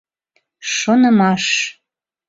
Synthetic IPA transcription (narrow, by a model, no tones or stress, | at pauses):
ʃonəmɑʃ